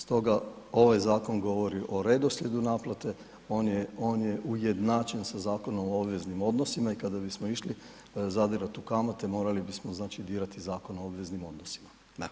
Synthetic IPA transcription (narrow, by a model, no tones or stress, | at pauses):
st̪o̞ɡa | o̞ʋajzaːko̞ŋɡo̞ʋo̞ɾiʔo̞ɾe̞d̪o̞sʎʲed̪unaːplat̪e̞ | o̞ːnjeo̞ːnje̞ʔujed̪naːt͡ʃe̞nsazaːko̞no̞moobʋe̞znimo̞d̪nosimaikad̪abismoiʃli | zad̪iɾat̪ukamat̪emo̞ːɾalibismoznaːt͡ʃid̪iːɾat̪izaːko̞noobʋe̞znimo̞d̪nosi̥ma | a